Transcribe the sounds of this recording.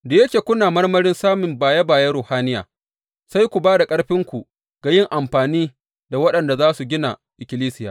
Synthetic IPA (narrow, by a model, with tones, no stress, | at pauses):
de˨jɐ˦t͡ʃeː˨kʷʊ˦naː˨mɐ˦rmɐ˦ɾɪ˦nsaː˦mɪ˨mbaː˨ja˦baː˨ja˦ɾoː˨haː˦nɪ˦ja̰ː˨ | sa˦jkʷu˨baː˦da˨kʼɐ˦ɽɸɪ˦ŋkʷu˨ | ɡ̥a˨jɪ˦ŋʔa˨mɸaː˨niː˦ | da˨wɐ˦ɗɐ˨nda˨zaː˦su˨ɡʲɪ˦na̰˨ʔɪ˨kʲɪ˨˦liː˦sɪ˦jaː˨